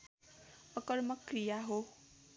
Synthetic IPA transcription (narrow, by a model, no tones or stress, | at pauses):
ʌkʌrmʌkrijaɦo